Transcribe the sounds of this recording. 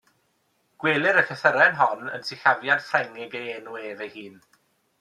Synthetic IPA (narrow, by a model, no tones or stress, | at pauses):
ɡ̥weːlˠɪɾəkʰəθəɾɛnɦɔnə̰nsɪɬavjad̥frɛŋɪɡeeːnueːvejhiːn